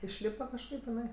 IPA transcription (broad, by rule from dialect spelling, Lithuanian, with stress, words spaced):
ɪʃʲˈlʲiːpɐ kɐʃˈkɐɪp ɪˈnɐɪ